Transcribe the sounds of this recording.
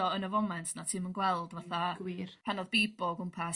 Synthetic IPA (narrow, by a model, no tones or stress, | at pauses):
ɔənəvɔmɛntʰnatʰiːmənɡwɛlˠdvaθaɡiɾpʰɛnɔðbiːbɔɡʊmpʰas